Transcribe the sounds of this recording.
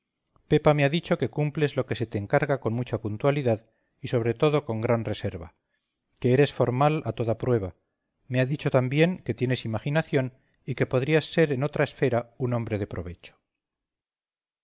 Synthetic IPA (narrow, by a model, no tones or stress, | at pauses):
pe̞pame̞aðit͡ʃo̞ke̞kumple̞zlo̞ke̞se̞t̪eːŋkaɾɣako̞nmut͡ʃapunt̪waliðað | iso̞β̞ɾe̞t̪o̞ðo̞ko̞ŋɡɾanre̞se̞ɾβa | ke̞eɾe̞sfo̞ɾmalat̪o̞ðapɾwe̞β̞a | me̞aðit͡ʃo̞t̪ambje̞ŋke̞t̪je̞nesimaxinaθjo̞n | ike̞po̞ðɾiasːe̞ɾe̞no̞t̪ɾae̞sfe̞ɾauno̞mbɾe̞ðe̞pɾo̞̰β̞e̞t͡ʃo̥